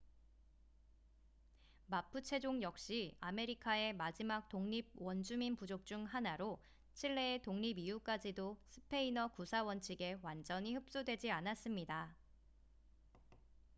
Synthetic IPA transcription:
mapʰɯt͡ɕʰe̞d͡ʑoŋjʌk̚ɕ͈iame̞ɾikʰae̞mad͡ʑimak̚t͈oŋɲib̚wʌnd͡ʑuminpud͡ʑok̚t͡ɕ͈uŋɦanaɾo | t͡ɕʰiɭːe̞ːetoŋɲibijuk͈ad͡ʑidosʰɯ̥pʰe̞inʌkusʰawʌnt͡ɕʰiɡe̞wand͡ʑʌɲihɯp̚s͈udwe̞d͡ʑianas͈ɯmɲida

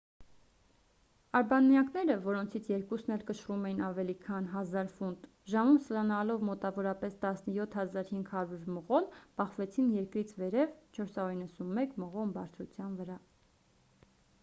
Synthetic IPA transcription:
ɑɾbɑnmjɑknɛɾəvɔɾɔnt͡sʰit͡sʰjɛɾkusnɛlkəʃrumɛjinɑvɛlikʰɑnɦɑzɑɾfunt̪ | ʒɑmumsəlɑnɑlɔvmɔt̪ɑvɔɾɑpɛst̪ɑsnəjɔt̪ʰhɑzɑɾhiŋɡhɑɾuɾməʁɔlb̥ɑχvɛt͡sʰinjɛɾkɾit͡sʰvɛɾɛvt͡ʃʰɔɾsɑɾuɾinːəsunmɛkməʁɔmbɑɾt͡sʰɾut͡sʰjɑnvəɾɑ

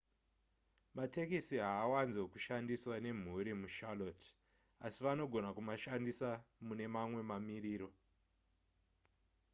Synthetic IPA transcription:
mate̞kisiɦaːwanzokuʃandiswane̞m̤uɾimuʃalot | asiʋano̞ɡʱo̞nakumaʃandisamune̞mamwe̞mamiriːɾo̞

